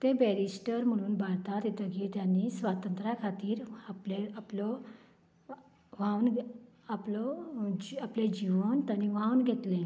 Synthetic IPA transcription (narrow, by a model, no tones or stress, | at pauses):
t̪ebɛɾisʈəɾm̤əɽ̃uːnbaɽt̪at̪it̪əɡit̪janːiːsʋat̪ənt̪ɾakʰat̪iːɾapleaplɔ | ʋãn | aplɔd͡ʑapled͡ʑiʋont̪añiʋãwnɡʱet̪lẽ